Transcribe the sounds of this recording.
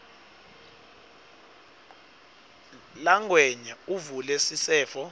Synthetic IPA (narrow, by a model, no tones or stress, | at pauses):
laŋwɛɲauvulɛsisɛːfɔ